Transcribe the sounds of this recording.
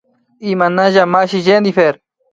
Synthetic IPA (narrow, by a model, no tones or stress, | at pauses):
imanaʑamaɕiʑend̪ifeɾ